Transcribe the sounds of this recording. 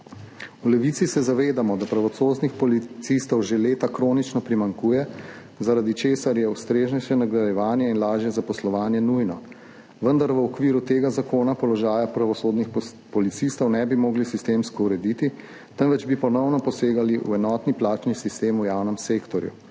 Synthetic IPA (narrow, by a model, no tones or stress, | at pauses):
ulɛʋit̪sisɛzaʋeːd̪amɔd̪apɾaʋɔt̪soːznixpɔlit̪sist̪ɔwʒeleːt̪akɾoːnit͡ʃnɔpɾimaŋkuːjɛ | zaɾad̪it͡ʃeːsaɾjɛust̪ɾeːʒnɛʃɛnaɡɾajɛʋaːnjɛinlaːʒjɛzapɔslɔʋaːnjɛnujnɔ | ʋənd̪aɾʋəɔkʋiːɾut̪eːɡazakoːnapɔlɔʒaːjapɾaʋɔsoːd̪nix | pɔlit̪sist̪ɔwnɛbimoːɡlisist̪eːmskɔuɾɛd̪it̪i | t̪ənʋɛd͡ʒbipɔnɔwnɔpɔseːɡaliʔṵɛnɔːt̪niplaːt͡ʃnisist̪eːmujaːwnɛmseːkt̪ɔɾjṵ